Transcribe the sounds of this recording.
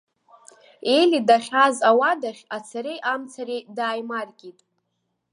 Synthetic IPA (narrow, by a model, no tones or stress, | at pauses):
elidaχʲazawadaχʲat͡sʰaɾejʔamt͡sʰaɾejdaːjmarkʲʼitʼ